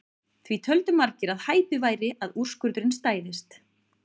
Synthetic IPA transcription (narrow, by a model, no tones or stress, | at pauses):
θvit̪ʰœlt̪ʏmaɾcɪɾaðhaːjp̪ʏvaːjɾɪʔaður̥skʏɾt̪ɾɪnst̪aːjðɪst̪